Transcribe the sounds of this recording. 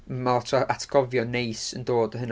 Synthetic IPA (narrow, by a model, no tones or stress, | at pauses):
maɔtʰɔʔatʰɡ̥ɔvjɔnejsəndoːdəɦən